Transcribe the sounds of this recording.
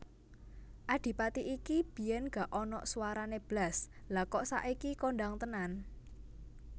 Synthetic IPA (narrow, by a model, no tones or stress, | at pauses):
ʔaɖ̥i̤pat̪iʔikib̥i̤jɛnɡ̥a̤ʔɔnɔ̰ʔsuwaɾaneb̥laslakɔʔsa̰ʔikikoɳɖaŋt̪ənan